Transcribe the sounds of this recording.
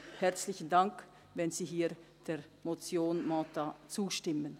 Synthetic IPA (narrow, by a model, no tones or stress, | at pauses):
hɛʁt͡slɪçən̩daŋk | vɛnz̥iːɦiːd̥eː | mot͡sjoːnmɔːtat͡suːʃtɪmən